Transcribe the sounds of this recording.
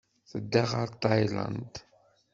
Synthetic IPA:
θəd̪ːaʁaɾt̪ajla̰nd̪

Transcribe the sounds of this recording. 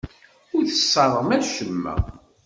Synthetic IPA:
ʊɾθə̥sˤːɑɾˤəʁmæʃəmːæ̰

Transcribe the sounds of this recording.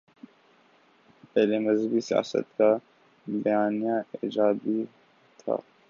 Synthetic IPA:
pɛːlemɐzəbisija̰ːsə̰t̪ka | bɐjaːnijaiːd͡ʒaːd̪i | t̪ʰa̰ː

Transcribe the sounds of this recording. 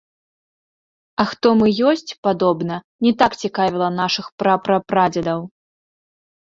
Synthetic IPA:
ɐxt̪ɔmɨjɔsʲt͡sʲpad̪ɔbnɐ | nʲɛt̪akt͡sʲikavʲilˠɐnaʂɨxpɾapɾɐpɾad͡zʲɐd̪ɐw

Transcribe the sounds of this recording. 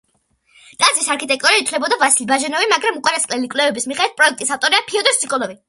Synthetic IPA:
t̪ʼazisaɾkʰit̪ʼɛk̚t̪ʼuɾiit̪ʰlɛbɔd̪avasilibaʒɛnɔvimaɡɾamukʼwaɾasqʼlɛlikʼlɛvɛbismiχɛd̪ɛt̪̚pʼɾɔɛk̚ʰt̪ʼisaft̪ʼɔɾiapʰiɔd̪ɔst̪sʰikʼɔlˠɔvi

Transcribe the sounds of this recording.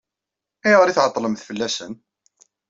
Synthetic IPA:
iʁəɾiθʕət̪ˤːləmθfəlːæsən

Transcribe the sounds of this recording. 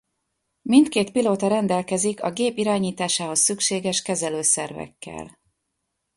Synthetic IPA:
mint̪keːt̪piloːt̪ɒɾɛnd̪ɛlkɛzikɒ̰ɡeːpiɾaːɲiːt̪aːʃaːɦo̞sːykʃeːɡɛʃkɛzɛløːsɛrvɛ̰kːɛ̰l

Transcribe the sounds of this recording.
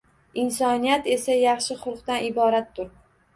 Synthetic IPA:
ɪnsɒnijat̪e̞sajɑχʃɪχʊlˠqt̪anɪbɒɾat̪ʰːʊɾ

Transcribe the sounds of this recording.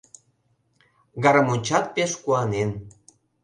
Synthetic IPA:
ɡɑɾəmunʲt͡ɕɑt̪̚peʃkuɑnen

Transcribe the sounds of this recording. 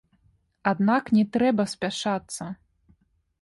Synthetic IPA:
ad̪naknʲɛt̪ɾɛbɐsʲpʲaʂat̪sːɐ

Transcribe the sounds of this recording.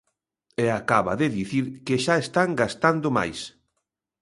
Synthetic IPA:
eakaβa̰ðɪðiθiɾkeʃaest̪aŋɡast̪and̪ʊma̰js

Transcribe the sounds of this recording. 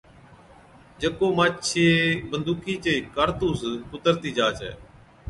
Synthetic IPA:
d͡ʒəkoːmaːt͡ʃʰeːbənd̪uːkʰiːt͡ʃeːkəɾt̪uːskʊt̪əɾt̪iːd͡ʒaːt͡ʃɛ̰ː

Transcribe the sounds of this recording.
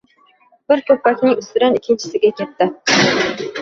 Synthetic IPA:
b̥ɪɾkʲøpːɑkʲnɪŋyst̪ɪɾɛnikʲʰːɪnt͡ʃʰɪ̥sɪɡʲɛkʲet̪ːɪ

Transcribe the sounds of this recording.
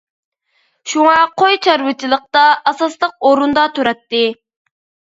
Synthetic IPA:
ʃuŋɑqʰojt͡ʃʰɑɾwɨt͡ʃʰilˠəq̚t̪ɑʔɑsɑslˠəq̚oɾund̪ɑt̪ʰuɾɑt̪ːɨ

